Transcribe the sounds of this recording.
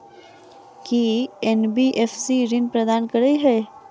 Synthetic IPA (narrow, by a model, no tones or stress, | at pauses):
kienbiːʔefsiɾɪnpɾəd̪aːnkəɾəiɦɛː